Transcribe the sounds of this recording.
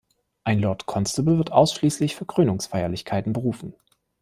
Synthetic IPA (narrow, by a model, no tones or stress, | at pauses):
ʔaɪnlɔɐtkʰɔnstəbl̩vɪɐtʔaʊsʃliːslɪçfyːɐkʁ̥øːnʊŋsfaɪɐlɪçkʰaɪtn̩bəʁuːfn̩